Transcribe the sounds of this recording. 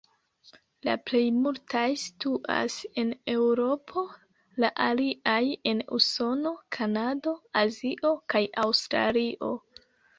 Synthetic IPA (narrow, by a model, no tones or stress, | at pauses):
la̰ple̞jmultʰajsi̥tuʔa̰se̞ne̞wɾo̞pʰo̞ | laʔaliʔaje̞nṵso̞no̞kʰanado̞aziʔo̞kajawstɾa̰liʔo̞